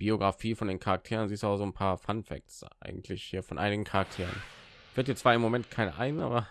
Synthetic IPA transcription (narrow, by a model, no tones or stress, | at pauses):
b̥ioɡʁafiːfɔndeːnkʰaʁak̚tʰeːʁ̞ənziːstuaʊz̥oːnpʰaːɐfanfɛ̰k̚sʔa̰ɪɡŋ̩tʰlɪçhiːɐfɔnʔaɪnɪɡŋ̩kʰaʁak̚tʰeːʁ̞ən | v̥ɪɐt̬jɛt͡sv̥aːɐɪmːomɛntkʰaɪnə̰ʔaɪɡnəa̰ːbɐ